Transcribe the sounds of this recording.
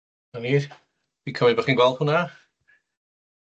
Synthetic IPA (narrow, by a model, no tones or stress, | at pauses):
aniː | v̥ikʰəmibəχiːnɡwɛlˠd̥̚hʊna